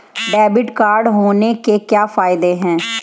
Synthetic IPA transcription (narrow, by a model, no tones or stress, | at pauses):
ɖɛːbɪʈkaːɾɖɦoːneːkeːkjaːpʰaːɪd̪eːɦɛ̃ː